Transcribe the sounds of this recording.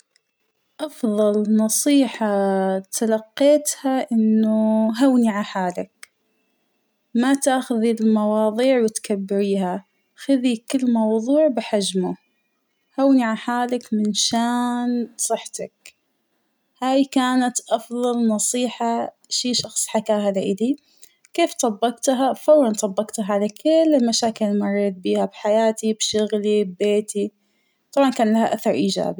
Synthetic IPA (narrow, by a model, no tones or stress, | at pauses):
ʔɑfðˤɑlnɑsˤiːħɑt̪ʰalɑqːeːt̪haʔɪnːʊɦawniʕaħaːlɪk̚ | mat̪aːxʊðilmɑwɑːðˤiːʕwɪt̪kabːɪɾiːha | xɪðikɪlːmɑwðˤuːʕbɪħad͡ʒmʊ | hawniʕaħaːlɪkmɪnʃaːnsˤɨħt̪ak̚ | haːjkaːnat̪ʔɑfðˤɑlnɑsˤiːħa | ʃiːʃɑxsˤħakaːɦalaʔɪdi | keːft̪ˤɑbːɑqt̪ɦafɑɾlɑnt̪ˤɑbːɑqt̪aɦaʕalakʰɪlːɪlmaʃaːkɪlɪlmɑrˤːeːt̪̚biːhabħajaːt̪ibʃʊɣlibbeːt̪ʰi | t̪ˤɑbʕɑnkaːnlahaʔaθɑɾˤʔiːd͡ʒa̰ːbi